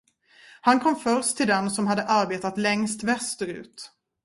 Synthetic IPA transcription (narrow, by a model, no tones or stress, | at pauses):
hankʰɔmːfœɾʂt̪ʰːɪld̪ɛnsɔmhad̪ːəʔaɾbeːt̪at̪lɛŋst̪vɛst̪əɾʉ̟ːt̪